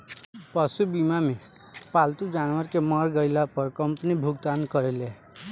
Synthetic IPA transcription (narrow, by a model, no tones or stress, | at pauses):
pʌsubimame | palt̪ud͡ʒanwəɾkemʌɾɡʌɪlapʌɾkʌmpənibʱuɡt̪ankʌɾele